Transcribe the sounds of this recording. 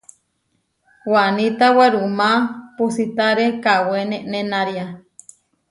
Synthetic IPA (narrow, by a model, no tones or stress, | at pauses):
wanit̪aweɾumapusit̪aɾekaweneʔnenaɾia